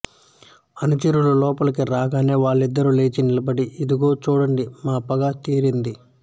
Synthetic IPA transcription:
ɐnut͡ʃɐɾulɐlɔːpɐlɐkiɾaːɡaːne̞ːʋaːɭːid̪ːɐɾule̞ːt͡ʃinilɐbɐɽiid̪iɡo̞ːt͡ʃuːɽɐɳɖimaːpɐɡaːt̪iːɾind̪i

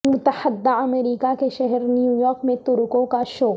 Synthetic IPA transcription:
mʊt̪əħəd̪ːaɐmeɾiːkakeʃɛɦɛɾnijuːjɔːɾkmẽt̪ʊɾʊkõkaʃoː

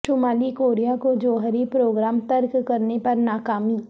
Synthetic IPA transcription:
ʈʊmaːlikoːɾijakod͡ʒoːɦəɾipɾoːɡɾaːmt̪ɐɾkkɐɾnepɐɾnaːkaːmiː

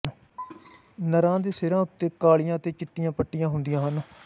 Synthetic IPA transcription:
nəɾãːd̪iːsɪɾãːʊt̪ːeːkaːɭɪjãːət̪eːt͡ʃɪʈːɪjãːpəʈːijãːɦʊnd̪ijãːɦən

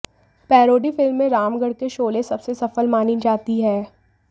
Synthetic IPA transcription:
pɛːɾoːɖifɪlmːẽɾaːmɡəɽkeʃoːlẽsɐbsesɐfəlmaːnid͡ʒaːt̪iɦɛː

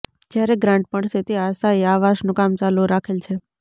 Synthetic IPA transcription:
d͡ʒjaɾeɡɾãɳʈ̚pəɳset̪iasaeaʋaʃnũkamt͡ʃaluɾakʰelt͡ʃʰe

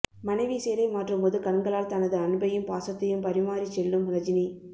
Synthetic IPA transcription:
mɐnɐɪʋiseːɾɐɪmaːʈrɯmpoːðɯkɐnŋɡɐɭaːlt̪ɐnɐðɯɐnɯbɐjɯmpaːsɐt̪ːɐjɯmpɐɾɪmaːɾit͡ʃːɛlːɯmʊnɐd͡ʒɪni

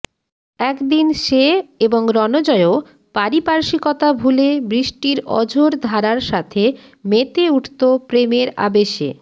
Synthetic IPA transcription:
ɛkd̪inʃeeboŋɾɔnod͡ʑɔeo | paɾipaɾʃikɔt̪abʱulebɾiʃʈiɾɔ̰d͡ʑʱoɾd̪ʱaɾaɾʃat̪ʰe | met̪euʈʰt̪opɾemeɾa̰beʃḛ

